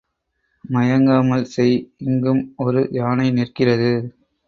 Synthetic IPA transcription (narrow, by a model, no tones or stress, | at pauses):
mɐjɐŋɡaːmɐlsɛjɪŋɡɯmɔɾɯjaːnɐɪnɪrkɪrɐðɯ